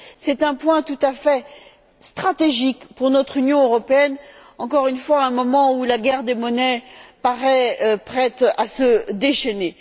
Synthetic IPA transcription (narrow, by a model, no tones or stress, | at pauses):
sɛt̪ɛ̃pwɛ̃t̪ut̪afɛ | st̪χat̪eʒikpuʁnɔt̪χynjɔ̃øʁɔpeɛnɑ̃kɔʁynfwaɛ̃mɔmɑ̃ulaɡʲɛʁd̪emɔnɛpaʁɛpχɛt̪asəd̪eʃɛne